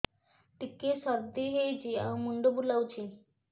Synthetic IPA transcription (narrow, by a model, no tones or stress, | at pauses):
ʈikːesab̚d̪iɦejt͡ɕia̰muɳɖobulawt͡ɕi